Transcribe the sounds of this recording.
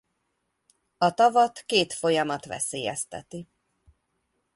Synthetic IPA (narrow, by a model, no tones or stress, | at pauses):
ɒt̪ɒvɒt̪keːt̪fo̞jɒmɒt̪ʋɛ̰seːjɛ̰st̪ɛ̰t̪i